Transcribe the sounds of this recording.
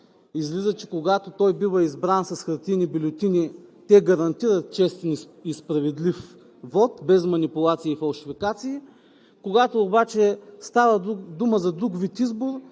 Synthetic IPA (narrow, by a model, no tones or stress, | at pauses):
izlizət͡ʃɛkoɡat̪ot̪ɔjbivəizbɾansɐsxɐɾt̪inibilʲot̪ʲinit̪ɛɡɐɾɐnt̪iɾɐt̪̚t͡ʃɛst̪ɛn | ispɾɐvɛd̪lif | vɔt̪bɛzmɐnipʊlˠat̪siːfɐlˠʃifikat̪siː | koɡat̪oːbat͡ʃɛst̪avəd̪uməzɐd̪ɾukvit̪izboɾ